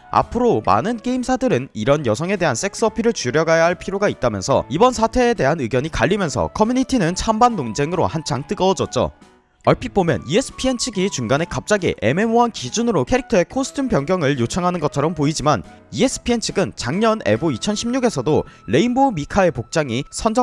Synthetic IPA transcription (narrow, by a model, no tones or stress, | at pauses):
a̰pʰɯɾoma̰nɯnke̞imsʰadɯɾɯniɾʌnjʌsʰʌŋe̞de̞ɦans͈ʰe̞k̚s͈ʌpʰiɾɯɭt͡ɕuɾjʌɡajaɦaɭpʰiɾjoɡait̚t͈amjʌnsʰʌ̰ibʌnsʰatʰe̞ːde̞ɦanɯɡjʌɲikaʎːimjʌnsʰʌ̰kʰʌmjuɲitʰinɯnt͡ɕʰambanːond͡ʑe̞ŋɯɾo̰hant͡ɕʰaŋt͈ɯɡʌd͡ʑʌt̚t͡ɕ͈o̰ | ʌɭpʰip͈omjʌ̰nies͈ʰɯ̥pʰient͡ɕʰiɡit͡ɕuŋɡane̞kap̚t͡ɕ͈aɡḭʔe̞me̞moɦankid͡ʑunɯɾokʰe̞ɾik̚tʰʌe̞kʰosʰɯ̥tʰɯmpjʌŋɡjʌŋɯɭjot͡ɕʰaŋɦanɯnɡʌt͡ɕʰʌɾʌmpoid͡ʑiman | ie̞s͈ʰɯ̥pʰient͡ɕʰiɡɯnt͡ɕaŋɲʌne̞̰boit͡ɕʰʌnɕʰimɲuɡe̞sʰʌdole̞imbomikʰae̞pok̚t͡ɕ͈aŋisʰʌnd͡ʑʌ